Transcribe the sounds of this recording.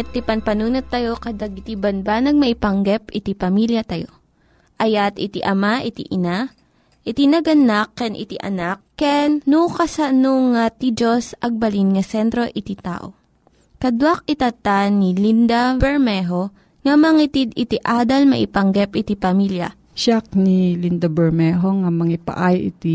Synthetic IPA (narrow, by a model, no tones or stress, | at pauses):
ɛt̪ːipɐnpɐnuːnot̪ːɐjo̞kɐd̪ɐɡɪt̪ibɐnbanɐɡ̚mɐʔɪpɐŋɡɛpɪt̪ipɐmiljɐt̪ɐjo | ʔɐjat̪ɪt̪ḭʔɐmaʔɪt̪ḭʔɪna | ʔɪt̪inɐɡɐnakːɛnʔɪ̰t̪iʔɐ̰nak̚ːɛnːukɐsanoŋat̪id͡ʒosʔɐɡ̚bɐlinŋɐsɛnt̪ɾo̞ʔɪt̪it̪a̰ːʔo̰ | kɐd̪wak̚ɪt̪ɐt̪anilind̪abɛɹmɛɦo | ŋɐmɐŋit̪id̪ɪt̪iʔaːd̪ɐlmɐʔɪpɐŋɡɛpʔɪt̪ipɐmiljɐ̰ | ʃak̚nilind̪abɛɹmɛɦoŋamɐŋipa̰ʔajɪ̰t̪i